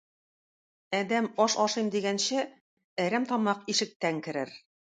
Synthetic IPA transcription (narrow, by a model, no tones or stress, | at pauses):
æd̪æmɒʃɒʃɤjmd̪iɡænɕɘ | æɾæmt̪ɒmɑqiʃɘ̆k̚t̪æŋkɘ̆ɾɘɾ